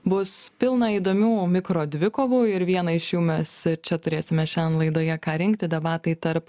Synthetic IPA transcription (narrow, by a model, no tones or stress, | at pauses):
bʊspʲɪlˠnɐiːd̪oːmʲuːmʲɪkɾoːd̪ʲʋʲɪkoːʋuːɪɾʋʲiɛnɐɪʃjuːmʲɛsɪɾt͡ʃʲɛt̪ʊɾʲeːsʲɪmʲɛʃʲɛnlˠɐɪd̪oːjɛkɑːɾʲɪŋkt̪ʲɪd̪ʲɛbɑːt̪ɐɪt̪ɐɾp